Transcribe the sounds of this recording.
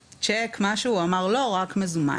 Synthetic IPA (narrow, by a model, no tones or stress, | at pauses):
t͡ʃekmaʃuuamaʁlo̞ʁakmezuma̰